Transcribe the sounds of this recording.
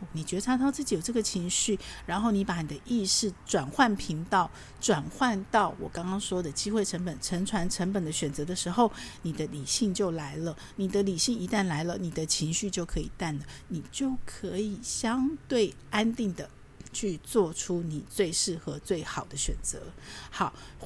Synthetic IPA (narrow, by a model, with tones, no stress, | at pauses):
ni˨˩t͡ɕɥɛ˧˥d̪ə˧ʈ͡ʂʰɑ˥ŋt̪ʰɑ˥ʊt͡sɹ̩˥˩t͡ɕi˨˩jo˨˩ʊʈ͡ʂɤ˥˩ɡə˨˩t͡ɕʰi˧˥ŋɕy˥˩ɻa˧˥nxo˥˩ʊni˧˥pa˧˥ni˨˩d̪ə˦ʔi˥˧ʂɻ̩˥˩ʈ͡ʂwa˨˩nxwa˥˩npʰi˧˥ŋt̪ɑ˥˩ʊ | ʈ͡ʂwa˨˩nxwa˥˧nt̪ɑ˥˩ʊwɔ̰˨˩kɑ˥ŋkɑ˥ŋʂwɔ˥d̪ə˨t͡ɕi˥xwe˥˩ɪʈ͡ʂʰə˧˥ŋpə˨˩nʈ͡ʂʰə˧˥ŋʈ͡ʂʰwa˧˥nʈ͡ʂʰə˧˥ŋpə˨˩nd̪ə˦ɕɥɛ˨˩nt͡sɤ˧˥d̪ə˧ʂɻ̩˧˥xo˥˧ʊni˨˩d̪ə˦li˨˩ɕi˥˧ŋt͡ɕjo˥˩ʊla˧˦˥ɪlə˧˨ | ni˨˩d̪ə˦li˨˩ɕi˥˩ŋi˧˥t̪a˥˩nla˧˥ɪlə˨ni˨˩d̪ə˦t͡ɕʰi˧˥ŋɕy˥˧t͡ɕjo˥˩ʊkʰɤ˧˥i˨˩t̪a˥˩nlə˩ni˨˩t͡ɕjo˥˩ʊkʰɤ˧˦˥i˨˩ɕjɑ˥ŋt̪we˥˩ɪ | a˥nt̪i˥˩ŋd̪ə˩ | t͡ɕʰy˥˧t͡swɔ˥˩ʈ͡ʂʰu˥ni˨˩t͡swe˥˧ɪʂɻ̩˥˩xɤ˧˦t͡swe˥˩ɪxɑ˨˩ʊd̪ə˦ɕɥɛ̰˨˩nt͡sɤ̰˧˦xɑ˨˩ʊ